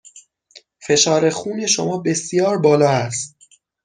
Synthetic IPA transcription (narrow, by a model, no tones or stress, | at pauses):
fe̞ʃɒːɾe̞xuːneʃomɒːbe̞sjɒːɾbɒːlɒːæst̪̚